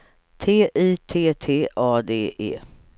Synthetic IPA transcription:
t̪ʰeːʔiːt̪ʰeːt̪ʰeːʔɑːd̪eːʔḛː

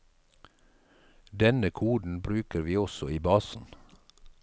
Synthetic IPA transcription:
d̪ɛnəkʰuːd̪n̩bɾʉːkəɾʋiːɔsɔiːbɑːsn̩

